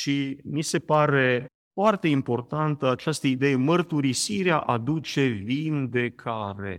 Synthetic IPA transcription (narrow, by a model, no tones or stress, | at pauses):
ʃimise̞paɾe̞ | foart̪e̞impo̞rt̪ant̪əat͡ʃast̪əid̪e̞jemərt̪uɾisiɾeaʔad̪ut͡ʃe̞vind̪e̞kʰaɾe̞̰